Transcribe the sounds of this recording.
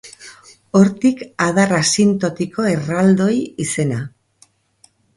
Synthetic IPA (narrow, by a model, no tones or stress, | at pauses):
o̞ɾt̪ikað̞arasint̪ot̪iko̞e̞rald̪o̞jise̞na